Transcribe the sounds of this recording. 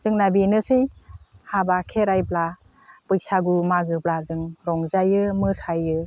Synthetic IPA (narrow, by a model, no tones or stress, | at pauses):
z̥ɯŋnabinɯsɯjhabakʰeɾajbla | bɯj̚saɡumaɡɯblazɯŋɾɔŋzajɯmɯsajɯ